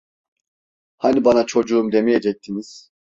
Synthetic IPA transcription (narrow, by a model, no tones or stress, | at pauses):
hanibanat͡ʃʰo̞d͡ʒuumd̪e̞mijed͡ʒɛc̚t̪ʰiniz̥